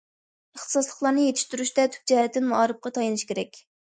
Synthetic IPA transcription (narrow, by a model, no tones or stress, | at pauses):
əχt̪ʰɨ̥sɑslˠəχlˠɑɾnɨjet̪ʰɪ̥ʃt̪yɾyʃt̪ɛt̪ʰy̥p̚d͡ʒɛhɛt̪ːɪnmuɑɾɨp̚qʰɑt̪ʰɑjɑnɨʃkʲeɾɛkʲ